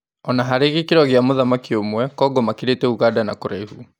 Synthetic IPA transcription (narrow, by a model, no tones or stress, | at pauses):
ɔnaɦaɾeɣikiɾɔɣeamoðamakiomwɛkɔɡɔmakiɾetɛuɣaːdanakoɾaihu